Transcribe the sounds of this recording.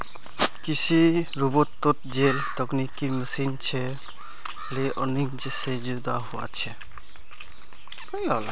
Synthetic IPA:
kisiɾubɔtːɔt̪̚d͡ʒelt̪ɔknikiməsint͡ʃʰɛ | leʔɔnik̚d͡ʒesed͡ʒud̪aɦuwa̰t͡ʃʰɛ | əjɦɔl

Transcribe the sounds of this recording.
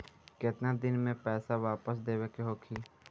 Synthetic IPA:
kɪt̪nad̪ɪnmẽpɛːsaʋaːpəs̬d̪eːʋekɦoːkʰiː

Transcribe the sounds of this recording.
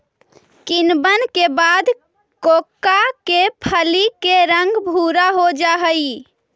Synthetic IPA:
kinbənkebad̪ | kokːakepʰəlikeɾəŋɡbʱuɾaɦod͡ʒaɦəj

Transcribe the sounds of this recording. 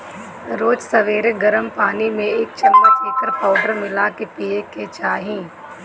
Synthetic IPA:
ɾoːd͡ʒsɐʋeːɾeɡɐɾəmpaːnimẽɪk̚t͡ʃɐnd̪ət͡ʃiːkəɾpaːʊɖəɾmɪlakepiːeket͡ʃaːɦĩː

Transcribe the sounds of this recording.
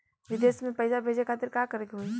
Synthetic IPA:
ʋɪd̪eːsmẽpəjsabʱeːd͡ʒekʰaːt̪ɪɾkaːkəɾeɡiɦoi

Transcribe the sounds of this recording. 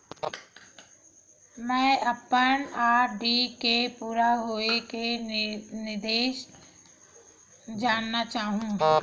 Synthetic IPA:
mɛ̃ːʔɐpːənaːɾɖikepuːɾaɦoːeke | nɪɾd̪eːʃ | d͡ʒaːnːat͡ʃaːɦũː

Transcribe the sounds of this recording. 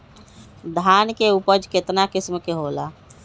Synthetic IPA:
d̪ʱaːnkeupəd͡ʒket̪nakɪsmkeɦola̰

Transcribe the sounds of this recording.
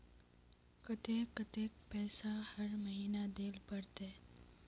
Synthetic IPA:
kət̪eːkət̪eːkpɛːsahɐɾməɦiːnad̪eːlpəɽt̪eː

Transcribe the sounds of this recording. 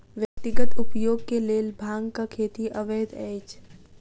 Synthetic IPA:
ʋjɐk̚t̪ɪɡət̪ʊpjoːɡkeleːlbʱaːŋɡkakʰeːt̪iʔɐʋeːd̪ɛːt͡ʃ

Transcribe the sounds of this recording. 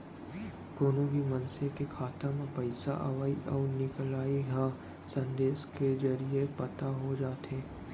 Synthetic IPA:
k̪oːnõbʱimɐnsekekʰaːt̪ãmpɐɪsa̰ʔɐ̰ʋaːiʔɔːɾnɪklaːiɦã | sɐ̃nd̪eːsked͡ʒɐɾiepɐt̪aɦod͡ʒaːt̪ẽː

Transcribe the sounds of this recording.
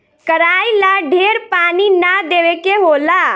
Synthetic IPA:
kəɾaːilaɖʱeːɾpaːninad̪eːʋekeɦoːla

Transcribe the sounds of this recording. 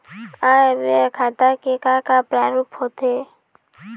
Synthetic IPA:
abekʰat̪akekakapɾaːɾuphot̪ʰe

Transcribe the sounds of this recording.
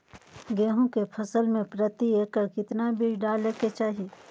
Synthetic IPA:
ɡeːɦõkepʰɐsəlmẽpɾət̪ieːkːakɪt̪nabiːd͡ʒɖaːleːket͡ʃaːɦie

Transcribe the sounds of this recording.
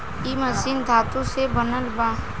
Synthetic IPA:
iməzind̪ʱaːt̪ũsebənəlba

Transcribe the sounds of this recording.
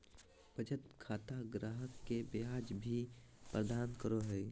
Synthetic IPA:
b̥əd͡ʒət̪kʰaːt̪aɡɾaːɦəkːebeaːd͡ʒbʱi | pɾəd̪aːnkəɾoɦɛj

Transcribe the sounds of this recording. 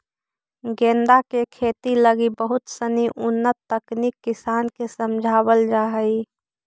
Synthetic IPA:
ɡẽːnd̪akekʰeːt̪iləɡibəɦʊt̪səniʔʊnːət̪ːəkniːkːɪsaːnkesəmd͡ʒʱaːwəld͡ʒaːɦəi

